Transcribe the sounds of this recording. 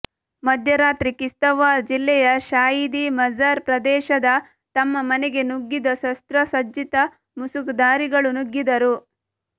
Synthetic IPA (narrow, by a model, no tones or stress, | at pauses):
mɐd̪ʱjɐɾaːt̪ɾikist̪ɐʋaːd͡ʒilːɛjɐʃaːjid̪imɐd͡ʒaːɾpɾɐd̪ɛːʃɐd̪ɐ | t̪ɐmːɐmɐneɡe̞nuɡːid̪ɐsɐst̪ɾɐsɐd͡ʒit̪ɐ | musukd̪aːɾiɡɐɭunuɡːid̪ɐɾu